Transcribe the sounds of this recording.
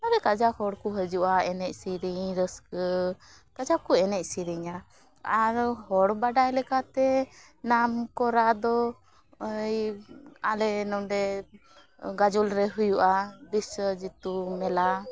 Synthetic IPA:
aɾɛkad͡ʒahɔɽkuɦəd͡ʒuʔaɛnɛc̚siɾiɲɾəskə | kad͡ʒakuɛnɛc̚ˀsiɾiɲa | aɾhɔɽbaɖajlɛkat̪ɛ | namkɔɾad̪ɔ | əjalɛnɔmɖɛ | ɡad͡ʒulɾɛɦujuʔabisəd͡ʒit̪umɛla

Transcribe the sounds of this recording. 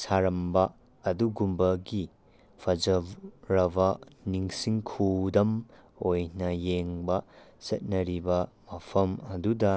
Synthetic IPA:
saɾɐmbɐ | ɐduɡumbɐɡi | pʰɐzɐɾɐbɐniŋsiŋkʰudɐm | ojnɐjeŋbɐsɐt̚nɐɾibɐmɐpʰɐmɐdudɐ

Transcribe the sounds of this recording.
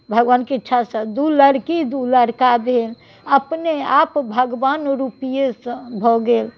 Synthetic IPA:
bʱəɡʋankeiʈːʃʰasəd̪uləɾkid̪uləɾkab̪el | əpneapbʱəɡʋanɾupijesə̃bʱɔɡel

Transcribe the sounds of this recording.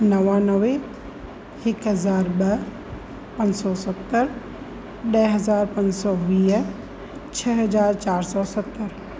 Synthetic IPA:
nɐʋãnəʋe | hɪkɦɐzaːɾbɐ | pɐ̃nd͡ʒsɔsət̪ːəɾ | ɗɛːɦɐzaːɾpɐ̃ɲsɔːʋiːɦ | t͡ʃʰɛɦɐd͡ʒaːɾt͡ʃaːɾsɔːsɐt̪ːəɾ

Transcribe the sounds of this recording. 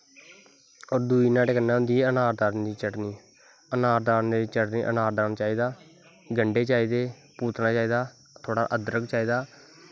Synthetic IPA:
oːɾd̪uːiːnãːʈekənːãːʊnd̪iːɛənaːɾd̪aːɾnd̪iːt͡ʃəʈniː | ənaːɾd̪aːɾneliːt͡ʃəʈnḭːʔə̰naːɾd̪aːɾnaːt͡ʃaːiːd̪aː | ɡəɳɖeːt͡ʃaːiːd̪eː | puːt̪naːt͡ʃaːiːd̪aː | t̪ʰoːɽa̰ːʔəd̪əɾəkt͡ʃaːiːd̪aː

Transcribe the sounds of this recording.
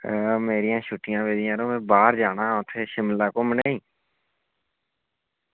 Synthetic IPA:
meːɾɪjãːʃʊʈːɪjãːʋeːd̪ɪjãːɾõːmẽːbaːɾd͡ʒaːnãːʊt̪ʰːeːʃɪmlaːkoːməneːĩː

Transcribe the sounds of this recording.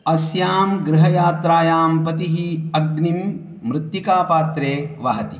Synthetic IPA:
ɐsjaːmɡɾɪɦɐjaːt̪ɾaːjaːmpɐt̪iɦiɐɡnimː | ɾɪt̪jikaːpaːt̪ɾeːʋɐɦɐt̪i

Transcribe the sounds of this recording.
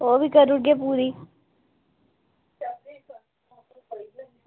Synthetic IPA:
oːʋiːkəɾʊɽɡeːp̬uːɾiː

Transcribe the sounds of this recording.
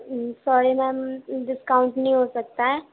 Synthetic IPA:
sɔːɾimɛ̃ɖɪskaːʊ̃ɳʈnəĩɦoːsɐk̚t̪aɦɛː

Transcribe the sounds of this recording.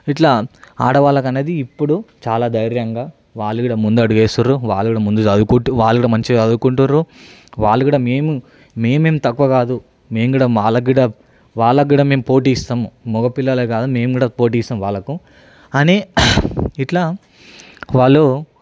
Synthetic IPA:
iʈlaːaːɽɐʋaːlɐkɐne̞ːd̪iːpːuɽut͡ʃaːlaːd̪ɐjɾjɐŋɡaː | ʋaːɭːuɡiːɽɐmund̪uɐɽuɡeːsuɾuʋaːɭːukːiːɽɐmund̪uɐd̪ukuʈuʋaːlukːɽɐmɐɲt͡ʃiɐd̪ukuɳʈunɾu | ʋaːɭːukiːɽɐme̞ːmu | me̞ːmeːmt̪ɐkːuʋɐkaːd̪u | me̞ːmɡuːɽɐʋaːɭːɐɡiːɽɐ | ʋaːɭːɐɡ̬iːɽɐmeːmupo̞ːʈ̬iːist̪aːmmɔɡɐpilːɐlɐkaːd̪ume̞ːmɡuːɽɐpo̞ːʈ̬iːst̪aːmʋaːɭːɐku | ɐni | iʈlaː | ʋaːɭːo

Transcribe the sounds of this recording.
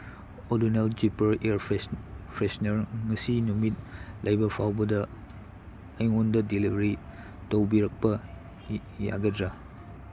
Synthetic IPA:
oduneld͡ʒipɐɾeɾpʰɾesnɐɾŋɐsinumit̚lʔajbɐpʰawbɐdɐ | jŋondɐdilibɾi | towbiɾɐk̚pɐ | ja̰ɡɐdɾa

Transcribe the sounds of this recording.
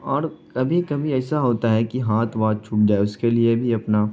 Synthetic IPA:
ɔːɾkɐbʱikɐbʱiɛːsaɦoːt̪aɦɛkiɦaːt̪ʰʋaːd̪̚t͡ʃʰʊp̚d͡ʒaːeʊskeliebʱiɐpna

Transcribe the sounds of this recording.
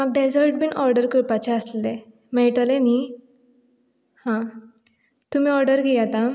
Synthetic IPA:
maɡ̚ɖed͡zəɾʈ̚biːnʔɔɾɖəɾkəɾpat͡ɕaəsle | mɛʈəleni | hã | t̪um̤iːɔɾɖəɾɡejat̪ã

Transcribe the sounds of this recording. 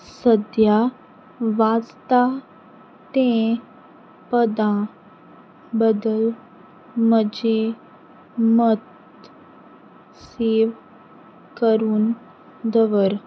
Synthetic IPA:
səd̪ja | ʋad͡zt̪a | t̪ẽ | pəd̪ã | bəd̪əl | məd͡ʑe | mət̪ | seʋ | kəɾuːn | d̪əʋəɾ

